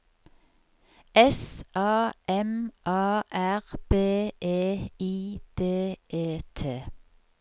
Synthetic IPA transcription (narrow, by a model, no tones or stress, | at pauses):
ɛsʔɑːʔɛmʔɑːʔæʁb̥eːʔeːiːd̪̥eːʔeːt̪ʰeː